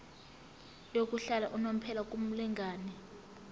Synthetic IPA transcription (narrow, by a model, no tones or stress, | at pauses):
jok̬ʼuɬalaʔunom̩pʰɛlak̬ʼum̩lɛŋɡʱaːnɛ